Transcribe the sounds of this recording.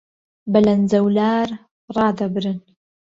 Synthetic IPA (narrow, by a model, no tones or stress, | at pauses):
bɐlɐnd͡zɐwlaːɾ | rˤɑːd̪abɨɾɨn